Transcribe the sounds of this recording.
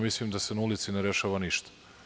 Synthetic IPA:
mislimd̪asenaulit̪sineɾeʃaːʋaniʃt̪ḁ

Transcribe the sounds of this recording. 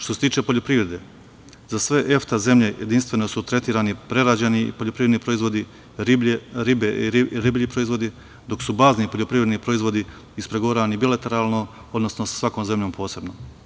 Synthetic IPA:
ʃt̪ose̞t̪iːt͡ʃe̞po̞ʎopɾiʋɾe̞d̪e | zasʋe̞ʔeft̪aze̞mʎe̞jed̪inst̪ʋe̞no̞sut̪ɾe̞t̪iːɾaːnipɾe̞ɾad͡ʑeniḭpoʎopɾiːɾed̪nipɾo̞izʋo̞d̪i | ɾbɾibeiɾibʎipɾo̞izʋo̞d̪i | d̪o̞ksubaːznipoʎopɾiʋɾe̞d̪nipɾo̞izʋo̞d̪i | ispɾeɡoʋɾaanibilat̪e̞ɾaːlˠno | od̪no̞snosḁsʋakoːmze̞mʎo̞ːmpʰo̞ːse̞bno

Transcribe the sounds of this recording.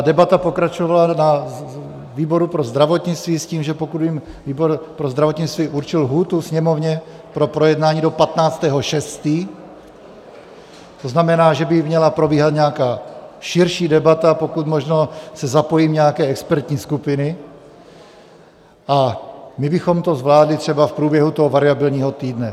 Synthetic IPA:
adɛbat̪apokɾat͡ʃovalana | viːbo̞ɾupɾo̞zd̪ɾavo̞t̪ɲɪt͡st̪viːsciːmʒɛpokud̪bim | viːboɾpɾozd̪ɾavot̪ɲɪt͡st̪viːʔuɾt͡ʃɪlɦuːt̪usɲɛmo̞vɲɛ | pɾo̞pɾo̞jɛdnaːɲiːdopat̪naːt͡st̪ɛːɦo̞ʃɛst̪iː | t̪o̞znamɛnaːʒɛbɪmɲɛlapɾo̞biːɦat̪ɲɛakaːʃɪɾʃiːdɛbat̪apo̞kut̪mo̞ʒnosɛzapo̞jiːmɲɛakɛːɛkspɛɾt̪ɲiːskupɪnɪ | ʔamɪbɪxo̞mt̪o̞zvlaːdlɪt̪r̝̥ɛbafpɾuːbjɛɦut̪oɦovaɾɪabɪlɲiːɦo̞t̪iːdnɛ

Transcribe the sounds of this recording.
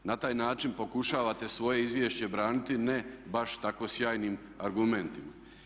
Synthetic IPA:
nat̪aːjnaːt͡ʃinpo̞kuʃaːʋat̪e̞sʋo̞je̞izʋjeːʃt͡ɕe̞bɾaːnit̪inebaʃt̪ako̞sjaːjniːm | aɾɡume̞nt̪ima

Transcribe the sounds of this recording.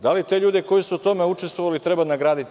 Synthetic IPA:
d̪alit̪e̞ʎuːd̪eko̞jisuut̪o̞meut͡ʃest̪voʋalit̪ɾebanaɡɾaːd̪it̪

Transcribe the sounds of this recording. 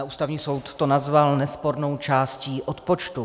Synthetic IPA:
aʔuːst̪avɲiːso̞wt̪ːo̞nazvalnɛspo̞ɾno̞wt͡ʃaːsciːʔot̪po̞t͡ʃt̪u

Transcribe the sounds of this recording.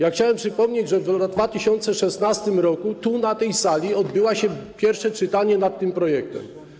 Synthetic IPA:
jaxt͡ɕawɛmpʂɘpɔmɲed͡ʑʐɛvad̪vat̪ɘɕɔnt̪sɛʂɛsnast̪ɘmɾɔkut̪unat̪ɛjsalʲiɔd̪bɘwaɕɛpʲjɛɾfʂɛt͡ʂɘt̪aɲɛnat̪ːɘmpɾɔjɛk̚t̪ɛ̰m

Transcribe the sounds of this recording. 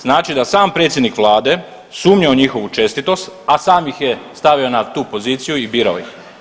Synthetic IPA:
z̥naːt͡ʃid̪asaːmpɾet̪jed̪nikʋlˠaːd̪e̞ | suːmɲioɲixo̞ʋut͡ʃe̞st̪it̪o̞st̪asaːmjixjest̪aʋio̞nat̪uːpo̞ziːt̪sijuibiːɾaojix

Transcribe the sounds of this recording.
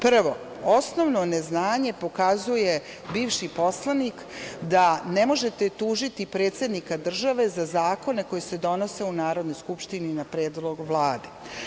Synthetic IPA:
pr̩ʋo̞ | o̞snoʋnoneznaːɲe̞po̞kazuje̞ | biːʋʃiposlˠanik | d̪anemo̞ʒet̪et̪uːʒit̪ipɾeːt̪se̞d̪nikad̪r̩ʒaʋe̞zazaːko̞ne̞ko̞jesed̪o̞no̞se̞unaːɾo̞d̪no̞jskupʃt̪ininapɾeːd̪lˠo̞ɡʋlˠaːd̪e̞

